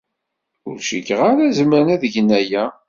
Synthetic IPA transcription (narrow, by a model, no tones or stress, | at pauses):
ʊɾʃḭkːʁaɾæzmənæðəʝənːæjæ